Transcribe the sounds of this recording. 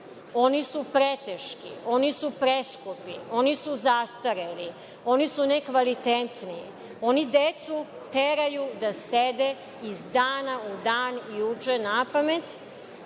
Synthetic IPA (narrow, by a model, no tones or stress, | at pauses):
o̞nisupɾet̪eʃkḭo̞nisupɾeskupio̞nisuzast̪aɾeli | o̞nisunekʋalit̪et̪niji | o̞nid̪et̪su | t̪eɾajud̪ased̪e | izd̪aːnaud̪aːnijut͡ʂɛnapamet̪